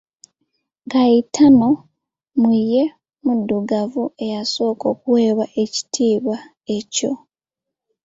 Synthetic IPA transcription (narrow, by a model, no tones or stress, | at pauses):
ŋɡaitʰano̞ | muje̞ | mudːuɡavue̞jaso̞ːko̞ːkuwe̞ːβaʔe̞ci̥tʰiːβa | e̞co̞̰